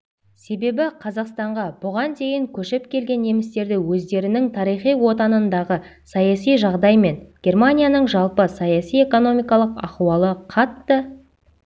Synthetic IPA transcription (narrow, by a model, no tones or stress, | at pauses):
se̞be̞bɪqʰɑzɑqst̪ɑɴʁɑbʊʁɑnd̪e̞jɪŋkʲʰɵʃɪp̚kʲʰe̞lɡʲe̞nːe̞mɪst̪e̞ɾd̪ɪwɵzd̪e̞ɾɪnɪŋt̪ʰɑɾijχijwo̞t̪ɑnənd̪ɑʁə | sɑjɑsijʒɑʁd̪ɑjme̞nɡʲe̞rmanʲijanəɴʒɑlˠpəsɑjɑsije̞ko̞no̞mʲijkɑlˠəqɑ̰χuwɑlˠəqʰɑt̪ːə